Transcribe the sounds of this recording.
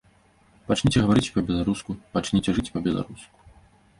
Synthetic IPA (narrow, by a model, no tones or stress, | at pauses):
pat͡ʂnʲit͡sʲɛɣɐvaɾɨt͡sʲpɐbʲɛlˠaɾuskupat͡ʂnʲit͡sʲɛʐɨt͡sʲpɐbʲɛlˠa̰ɾusku̥